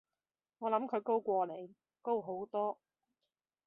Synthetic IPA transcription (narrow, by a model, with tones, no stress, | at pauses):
ŋɔː˨˧lɐ˨˥mkʰɵ˨˧ɥko˥wkʷɔː˧le˨˩j | ko˥wɦo˨˥wt̪ɔː˥